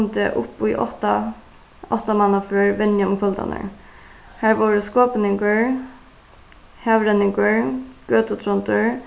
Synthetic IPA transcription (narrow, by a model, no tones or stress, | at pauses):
nt̪ɪʔʊpujʔɔt̪a | ɔht̪amanaføːɹʋɛnjaʊmkʰɔlt̪a̰nə̰ɹ | hæːɹʋɔːɹəskɔːpnɪŋkəɹ | hɛʋɾɛnːɪŋkəɹɡ̥øːt̪ət̪ʰɾɔnt̪əɹ